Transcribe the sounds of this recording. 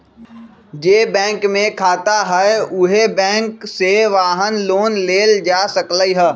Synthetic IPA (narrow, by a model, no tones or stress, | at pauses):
d͡ʒeːbɛ̃ːŋkmẽkʰaːt̪aɦɛʊɦebɛ̃ːŋkseʋaːɦənloːnleːld͡ʒaːsəkləiɦɛː